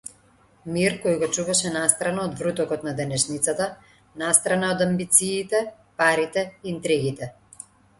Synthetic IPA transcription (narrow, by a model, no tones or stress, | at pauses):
miɾkɔjɡɔt͡ʃuvaʃɛnast̪ɾanaɔd̪vɾut̪ɔkɔt̪nad̪ɛnɛʃnit̪sat̪a | nast̪ɾanaod̪ambit̪siːt̪ɛ | paɾit̪ɛint̪ɾɛɡit̪ɛ